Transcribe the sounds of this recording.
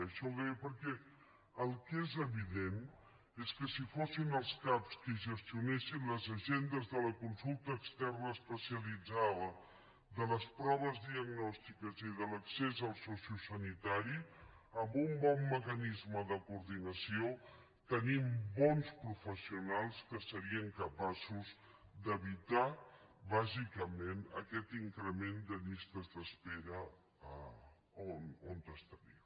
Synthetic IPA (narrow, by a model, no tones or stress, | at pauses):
əʃɔβepəɾkɛ | əlˠkezəβiðen | eskəsifosinəlˠskapskəʒəst̪iunɛʃinləzəʒend̪əzðələkunsulˠt̪əːkst̪ɛrnəːspəsiəlid͡zaðə | ðələspɾɔβəzðiəɡnɔst̪ikəziðələksezəlˠsɔsusənit̪aɾi | əmbumbɔmːəkənizməðəkuɾðinəsio | t̪ənimbɔnspɾufəsiunalˠskəsəɾiəŋkəpasuz | d̪əβit̪aβazikəmenə̰kɛt̪iŋkɾəmend̪əʎist̪əzðəspeɾə | ə | onont̪əst̪əɾḭ